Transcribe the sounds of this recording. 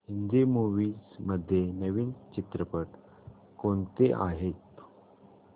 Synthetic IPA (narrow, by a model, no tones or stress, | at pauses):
ɦind̪imuʋiːd͡zməd̪ʱːjenəʋiːnt͡ɕit̪ɾəpəʈ | koɳt̪eʔa̰ɦet̪